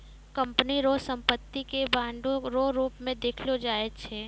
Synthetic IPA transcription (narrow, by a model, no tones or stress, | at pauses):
kɐ̃mpəniɾoːsə̃mpət̪ːikebãːɳɖoɾoːɾuːpmẽd̪eːkʰlod͡ʒaːet̪t͡ʃʰɛː